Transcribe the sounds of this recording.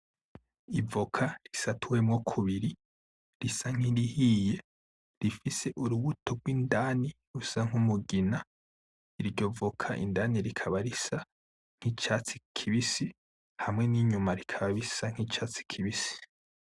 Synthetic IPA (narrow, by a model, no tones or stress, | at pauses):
ivokʰaɾisatʰuwemŋokʰuβiɾi | ɾisaŋ̥hiɾihije̞ | ɾifise̞ʔuɾuβutʰo̞ɡwiːndaːniɾusaŋ̥umuɡina | iɾɟo̞vokʰaʔḭndaːniɾikʰaβaɾisa | ŋ̥hit͡ʃaːt͡si̥kʰiβisi | hamŋe̞niɲumaɾikʰaβaβisaŋ̥hiːt͡ʃaːt͡si̥kʰiβisi̥